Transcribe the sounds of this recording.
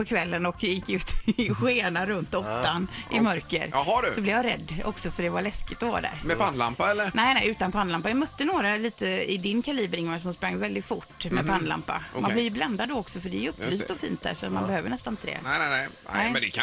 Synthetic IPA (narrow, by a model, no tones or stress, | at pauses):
pɔkʰvɛlːənɔkjɪkːʉ̟ːt̪ɧeːnaɾɵnt̪ɔt̪ːanʔɪ̰mœɾkə̰ɾhaɖsɔblɪjaɾɛ̰d̪ːɔ̰ksɔfœɖɛvaɭɛskɪt̪ɔvɑ̰ːd̪æ̰ːɾmɛpʰanla̰mpaɛlːənɛɪnɛɪʉ̟ːt̪anpʰanlampːajamœt̪ːənoːɾaliːt̪əɪd̪ɪnkʰaliːbəɾɪŋːaʂ̬ɔmspɾaŋːvɛld̪ɪt̪fʊʈːmɛpʰanːla̰mpːa̰manb̪lɪvjəbland̪ad̪ɔɔksɔfœɖɛɛjɵpːlyːsssɔfḭːnt̪̚d̪æ̰ːɾʂɔa̰t̪manbɛhøːvəɳɛst̪anɪnt̪d̪ḛːnɛnɛɛɪd̪ɛkʰ